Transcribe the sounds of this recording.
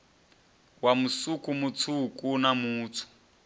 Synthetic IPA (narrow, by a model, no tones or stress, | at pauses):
wamusukʼumut͡sʰukʼunamuːt͡sʰu̥